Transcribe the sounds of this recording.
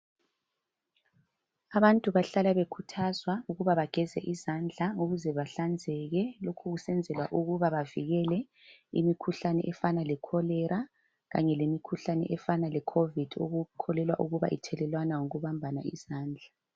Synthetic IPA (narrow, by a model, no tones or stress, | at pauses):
aβantʼuβaɬalaβekʰutʰazwauɣuβaβaɡ̥ʱɛzɛ̰ʔizand͡ɮʱauɣuzɛβaɬand͡zʱɛɣɛlokʰuɣusɛnd͡zʱɛlwa̰ʔuɣuβaβaviɣɛlɛ | ḭmikʰuɬanɛ̰ʔɛfanalɛkʰɔlɛɾa | ɣa̰ɲɛlemikʰuɬanɛ̰ʔɛfanalɛkʰovid̥ʱo̰ɣukʰɔlɛlwa̰ʔuɣuβa̰ʔḭtʰɛlɛlwanawoɣuβambʱana̰iz̥aːnd͡ɮʱa